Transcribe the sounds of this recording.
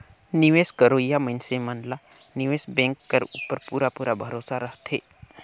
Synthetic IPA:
niʋeːskəɾoːjːamənsemənla | nɪʋeːsbẽːŋkːəɾuːpːəɾpuːɾapuːɾabʱəɾoːsaɾəɦt̪ʰeː

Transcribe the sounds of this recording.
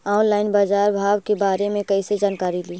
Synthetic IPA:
aːʊnlaːɪnbaːd͡ʒaːɾbʱaːʋkebaːɾemẽkɐised͡ʒaːnkaːɾiliː

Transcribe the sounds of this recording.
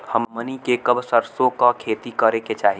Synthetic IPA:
həmmənikekəbsəɾsõkakʰeːt̪ikəɾeket͡ʃaːɦi

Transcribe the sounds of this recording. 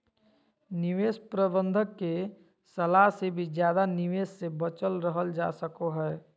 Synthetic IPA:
niʋespɾəbə̃nd̪ʱəkːe | səlaɦsebʱid͡ʒjaːd̪aniʋesːebət͡ʃəlɾəɦəld͡ʒa̰səkoɦɛː

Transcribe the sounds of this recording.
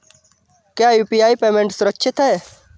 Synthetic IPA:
kjaːjuːpiaːipeːmẽɳʈsʊɾəkːʃʰɪt̪ʰae

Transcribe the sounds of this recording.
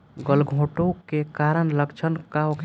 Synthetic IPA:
ɡəlɡʱõʈokekaɾənləkt͡ʃʰənkaokʰ

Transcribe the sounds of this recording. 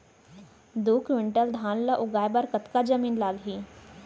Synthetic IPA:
d̪uːkʰʋɪɳʈəld̪ʱaːnlaʔʊɡaːjbaɾkət̪kad͡ʒəmiːnlaːlɦiː

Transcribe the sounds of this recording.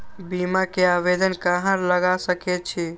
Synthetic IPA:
bimakeaβed̪ənkaɦãɾləɡasəkɛt͡ʃʰi

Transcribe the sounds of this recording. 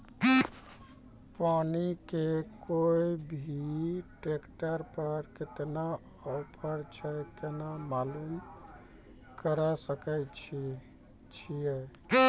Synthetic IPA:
panikekoibʱiʈɾekʈəɾpəɾket̪na | ɔpʰəɾt͡ʃʰɛkenamalum | kəɾəsəkɛt͡ʃʰ | t͡ʃʰije

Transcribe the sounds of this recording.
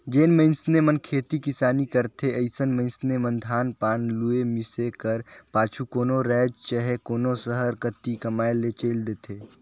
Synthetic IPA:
d͡ʒeːnmə̃ɪnsnemənkʰeːt̪ikɪsaːnikɐɾt̪ʰeəɪsənmə̃ɪnsnemə̃nd̪ʱaːnpaːnluemɪsekəɾpaːt͡ʃʰukoːnoɾɛːd͡ʒt͡ʃəɦekoːnosəɦəɾkət̪ikɐmaːelet͡ʃeːld̪eːt̪ʰeː

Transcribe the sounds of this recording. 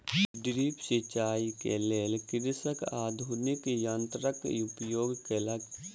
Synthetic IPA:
ɖɾiːpsit͡ʃaːikḛleːlekɪɾɪsəkaːd̪ʱunɪkjãːnt̪ɾəkupjoːɡkeləɡ

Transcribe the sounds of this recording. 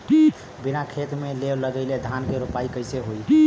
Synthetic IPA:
binakʰet̪meleləɡəjled̪ʱankeɾupaikəjseɦoj

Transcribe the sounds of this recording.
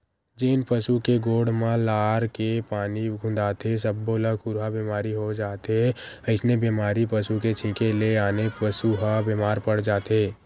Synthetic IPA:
d͡ʒeːnpəsukeɡoːɽ̤mãlaːɾkepaːniɡʱʊ̃nd̪aːt̪es̬əbːoləkʊɾɦabeːmaːɾiɦod͡ʒaːt̪ɦeəɪsnebeːmaːɾipəsuket͡ʃʰɪ̃keleaːnepəsuɦabeːmaːɾpəɽ̤d͡ʒaːt̪eː

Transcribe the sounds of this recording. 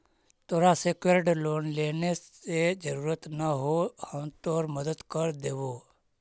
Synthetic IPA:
t̪oɾasekʋeɾɖloːnleːneed͡ʒəɾuːɾət̪naɦohãʋ̃t̪oːɾməd̪əd̪kəɾd̪eːʋo

